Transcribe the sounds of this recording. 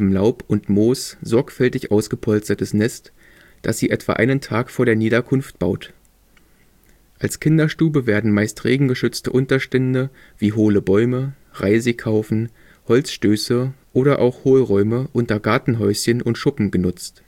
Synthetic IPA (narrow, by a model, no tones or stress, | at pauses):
m̩laʊpʔʊntmoːsz̥ɔɐkfɛltɪçʔaʊsɡ̥əpʰɔlstɐtəsnɛst | d̥asz̥iːʔɛtv̥a̰ːʔa̰ɪnəntʰaːkfoːɐɾeːɐniːdɐkʰʊnft̚b̥a̰ʊt | ʔalskʰɪndɐʃtuːbəveːɐdn̩maɪstʁeːɡŋ̩ɡəʃʏt͡stəʔʊntɐʃtɛndə | viːɦoːləbɔʏmə | ʁaɪzəkʰaʊfn̩ | hɔlt͡sʃtøːsəʔoːɾɐʔa̰ʊxhoːlʁɔʏməʔʊntɐɡaɐtn̩ɦɔʏsçənʔʊntʃʊpm̩ɡənʊt͡st